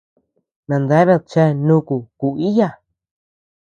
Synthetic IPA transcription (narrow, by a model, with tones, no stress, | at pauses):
nã˨˧nd̪a˧˦βe˦˧t͡ʃe˦nũ˦ku˨ku˧i˦ja˧˨